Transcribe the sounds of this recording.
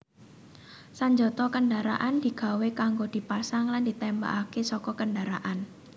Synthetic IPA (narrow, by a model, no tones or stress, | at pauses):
saɲd͡ʒɔt̪ɔkəndaɾa̰ʔand̪̥i̤ɡ̥a̤wekaŋɡod̪̥i̤pasaŋland̪̥i̤t̪ɛmba̰ʔakesɔkɔkəndaɾaʔan